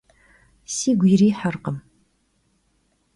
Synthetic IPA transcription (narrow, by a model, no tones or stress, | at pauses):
siːɡʷiːɾiːħarqəm